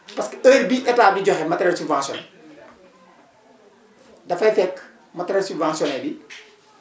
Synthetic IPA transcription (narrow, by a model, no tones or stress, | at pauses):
pɐskəəːɾbiʔɛtaːp̚diɟɔɦɛmɐtɐɾɛsubvãnsjɔ̰n | dɐfɐjfɛkː | mɐtɾɛsubvãːnsjɔnɛbi